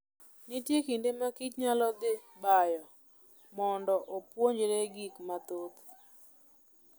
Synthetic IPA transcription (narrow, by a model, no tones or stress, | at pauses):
nɪtjekindemakit͡ʃɲalɔd̪ɪ | bajɔ | mɔndɔʔopwoɲd͡ʒɾeɡikmat̪ot̪